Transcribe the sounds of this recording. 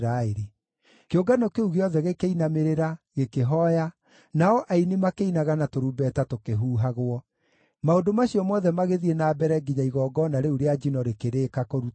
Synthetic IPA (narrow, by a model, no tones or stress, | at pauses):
ɾaeɾi | keoɡanɔkeuɣeɔðɛɣekeinameɾeɾaɣekeɦɔja | naɔʔainimakeinaɣanatoɾubɛtatokeɦuːɦaɣwɔ | maondomaɕiɔmwɔðɛmaɣeðienaːbɛɾɛɡiɲaiɣɔːɡɔnaɾeuɾead͡ʒinɔɾekeɾeːkakoɾu